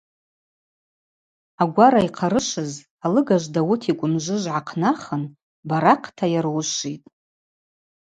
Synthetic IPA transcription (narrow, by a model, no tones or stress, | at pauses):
aɡʷaɾaiqʰaɾɨʃɨz | alɨɡaʒʷdawʊtʰikʷʼʊnʒʷɨʒʷʕaqʰnaχən | baɾaqʰtʰajaɾwʃʷitʼ